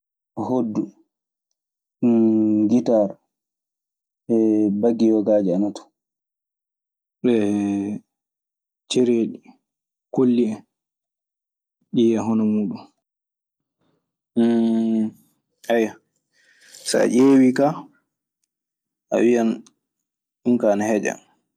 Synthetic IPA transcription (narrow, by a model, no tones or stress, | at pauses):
ahodːu | ɡitaɾ | ɛbaɡːijɔɡaːd͡ʒɛanatu̥ | ɓɛ | t͡ʃeɾeɗi | kolːiɛ | ɗiaɦɔnɔmuːɗun | aja | sa̰ʔeːwika | ʔa̰wian | ɗunkaːnahɛd͡ʒa̰